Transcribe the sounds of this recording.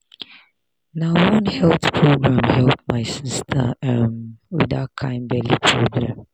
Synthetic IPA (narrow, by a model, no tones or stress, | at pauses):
naʊwʌ̃nhɛlθpʰɹoɡɹãmhɛlp̚maɪsistʰə̰mwḭðat̚kʰãɪ̃nbɛlipʰɹoɡɹã